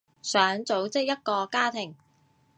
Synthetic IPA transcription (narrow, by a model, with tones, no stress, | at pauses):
sœː˨˥ŋt͡so˨˥wt͡sɪ˥k̚jɐ˥t̚kɔː˧kaː˥t̪ʰɪ˨˩ŋ